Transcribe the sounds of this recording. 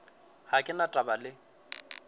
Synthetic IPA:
hakʼɪnatʼabalɪ

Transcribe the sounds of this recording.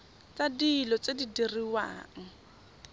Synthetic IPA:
t͡sadiːlɔt͡sedidiriwa̰ːŋ̩

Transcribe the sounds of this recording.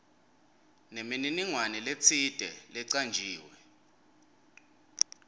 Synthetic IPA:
nemininiŋwanɛlet͡sʰid̥ʱɛlɛǀand͡ʒʱiːwɛ

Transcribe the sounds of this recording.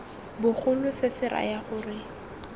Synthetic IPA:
bʊχʰʊlʊsɪsɪra̰jaχʊːrɪ

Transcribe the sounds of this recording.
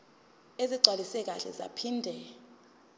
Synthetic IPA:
eziǀwalisɛk̬aɬɛ̰za̰pʰindʱɛ

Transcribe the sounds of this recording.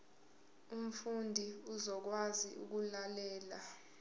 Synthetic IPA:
um̩fundʱiuzɔk̬waziʔṵk̬ulalɛːla

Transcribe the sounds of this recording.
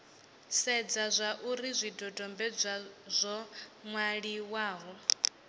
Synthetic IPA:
sɛd͡zazʷaʔuɾizʷidɔdʼɔmbɛd͡zʷazʷɔŋwaɺiwaːɦɔ

